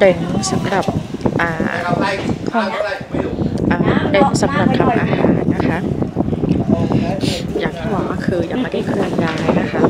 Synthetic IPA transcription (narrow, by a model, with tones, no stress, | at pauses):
de˧˩nsa˨˦mɾa˨˩p̚ʔaː˨˩ | kʰ | ʔaː˨˩de˧˩n˥sa˨˩˦mɾa˨˩t̪ʰa˧˩mʔaː˧haː˩˦nːa˦˥kʰa˦˥ʔ | jaː˨˩ŋt̪ʰiː˥˩waː˧˩maː˧˥˩kʰɯː˧ja˨˧˩maː˧˩d̪aː˥˩kʰɯ˧ŋdaː˧˩jna˦˥kʰa˦˥ʔ